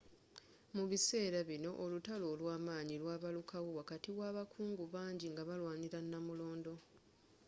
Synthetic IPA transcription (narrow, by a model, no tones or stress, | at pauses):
muβise̞ːɾaβino̞ʔolutalo̞ːlwaːmaːɲilwaːβalukʰawowakatiwaːβakʰuːŋɡuβaːɲɟiŋɡaβalwaːɲiɾanːamulo̞ːndo̞